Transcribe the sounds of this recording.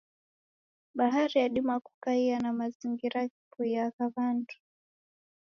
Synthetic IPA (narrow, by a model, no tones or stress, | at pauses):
ɓaɦaɾijaɗimaku̥kaianamaziŋɡiɾakipuiakavandu̥